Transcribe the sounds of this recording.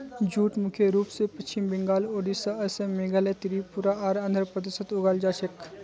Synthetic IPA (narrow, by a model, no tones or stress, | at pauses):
d͡ʒuːʈmukʰeɾuːpsepɐst͡ʃimbiŋɡaːloːɖisɐɐsemeɡalet̪iɾipuɾaaːɾɐ̃nd̪ʱəɾpɾət̪isət̪ʊɡaːld͡ʒaːt͡ʃek